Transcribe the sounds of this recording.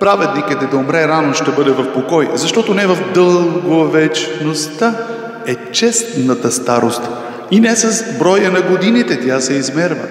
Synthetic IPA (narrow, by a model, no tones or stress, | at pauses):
pɾavɛd̪nikit̪ɛd̪ɐomɾɛɾanoʃt̪ɛbɤd̪ɛvɐfpokɔjzɐʃt̪ɔt̪onɛvɐfd̪əllˠɡovɛt͡ʃnost̪a | ɛt͡ʃɛst̪nɐt̪əst̪aɾost̪ | inɛsɐsbɾɔjənɐɡod̪init̪ɛt̪jasɛizmɛɾvə̰